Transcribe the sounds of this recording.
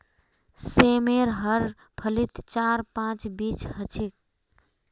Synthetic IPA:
semeɾɦəɾ | pʰəlit̪t͡ʃaɾpãt͡ʃbit͡ʃhət͡ʃʰik̚

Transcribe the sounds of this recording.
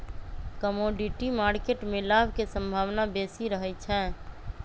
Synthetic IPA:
kəmoːɖiʈimaːɾkeʈmẽlaːbʱkesə̃mbʱaːʋnabeːsiɾəɦɛt͡ʃʰɛ̃

